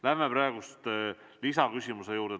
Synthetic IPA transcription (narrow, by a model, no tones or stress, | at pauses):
læhmepɾɑeɡ̥ust̪ | lisɑkysʲimuse̞juːɾd̪e